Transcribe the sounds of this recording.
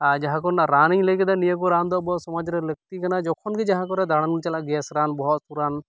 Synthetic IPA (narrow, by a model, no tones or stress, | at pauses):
ad͡ʒaɦãkɔnaʔɾaniɲləɡɛd̪anijəkɔɾand̪ɔbɔɔt̪sɔmɔd͡ʒɾɛlək̚t̪ikanad͡ʒɔkʰɔnɡɛd͡ʒaɦãk̬ɔɾɛd̪aɽ̃anunt͡ʃalaʔɡɛsɾanbɔɦɔt̪suɾan